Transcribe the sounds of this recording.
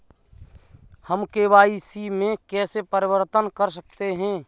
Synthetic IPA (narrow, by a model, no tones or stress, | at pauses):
həmkeːwaːisimẽkɛːsepəɾɪwəɾt̪ənkəɾs̬ək̚t̪eɦɛ̃ː